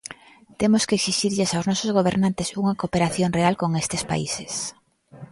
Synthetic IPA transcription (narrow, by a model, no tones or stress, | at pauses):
t̪emoskeksiʃiɾʎesawznɔsozɣ̞oβ̞eɾnãnt̪esuŋɐkopeɾaθjoŋrealkoŋest̪espa̰ises